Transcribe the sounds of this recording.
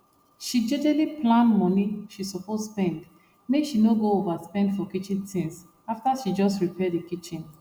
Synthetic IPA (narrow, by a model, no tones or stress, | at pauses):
ʃid͡ʒɛdɛliplãnmɔ̃niʃisɔposspɛ̃nd | meʃinoɡoovaspɛ̃ndfɔkit͡ʃĩntʰĩŋs | aftaʃid͡ʒɔstɹipʰɛdekit͡ʃĩn